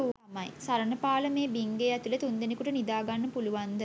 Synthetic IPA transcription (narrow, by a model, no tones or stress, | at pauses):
u | majsaɾənəpaːləmeːbiŋɡeːæt̪ulət̪und̪enekuʈənid̪aːɡanːəpuluʋand̪ə